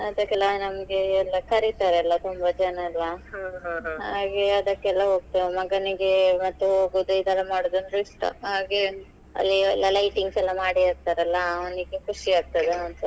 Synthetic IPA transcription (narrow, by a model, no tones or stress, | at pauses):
ɐd̪ɐkːɛlːɐnɐmɐɡeːlːɐkɐɾit̪aːɾeɛlːɐt̪umbɐd͡ʒɐnɐɛlːɐɦaɦɦaːɡeɐd̪ɐkːɛlːɐɦoːɡ̚t̪ɐemɐɡɐniɡemɐt̪ːuɦoːɡud̪uid̪ɛlːɐmaːɽod̪unɾuiʂʈ̪ɐ̰ɦaːɡe | ɐ̰lːiɛlːɐlɐjʈiŋɡsɛlːɐmaːɽiaːɡ̚t̪aɾɛlːɐniɡekʰuʂiaːɡ̚t̪ɐd̪eɐnt̪u